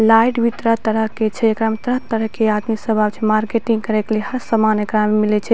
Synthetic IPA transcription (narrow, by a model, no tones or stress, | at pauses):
lajʈʋit̪ɾət̪əɾəɦket͡ʃʰɛkɾamt̪ɾəɦt̪əɾəɦkead̪misəbʱabt͡ʃʰɛmaɾkeʈiŋɡ̚kəɾekelehəɾsəmanəkɾammilɛt͡ʃʰɛ